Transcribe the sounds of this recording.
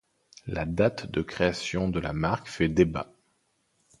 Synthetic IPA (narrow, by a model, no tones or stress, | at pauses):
lad̪at̪d̪əkχeasjɔ̃d̪əla̰maʁkfɛd̪eba̰